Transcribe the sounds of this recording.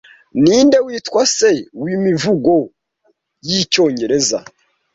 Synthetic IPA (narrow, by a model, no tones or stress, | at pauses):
niːnde̞wiːtwase̞wimivuɡo̞ | jico̞ːɲɟe̞ɾe̞za̰